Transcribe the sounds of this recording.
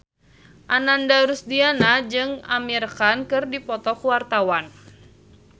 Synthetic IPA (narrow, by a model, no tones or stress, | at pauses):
ʔanandaɾusdianad͡ʒɨŋamirkankɨrdipɔt̪ɔkuwart̪awan